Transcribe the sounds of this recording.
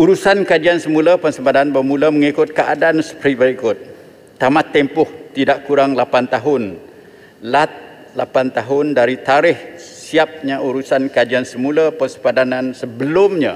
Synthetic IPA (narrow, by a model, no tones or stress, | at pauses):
uɾusankad͡ʒiansəmũlapəŋsəbadanbəmũləməŋikʊt̪̚kəʔa̰daansə̥pɾibəɾikʊt̪̚ː | amat̪ːɛmpʊht̪idaʔkuɾaŋlapant̪aɦʊn | lat̪̚ | lapant̪aɦʊndaɾit̪aɾɪhsiap̚ɲaʔuɾusankad͡ʒiansəmulapəŋsəpadanansəbəlʊmɲa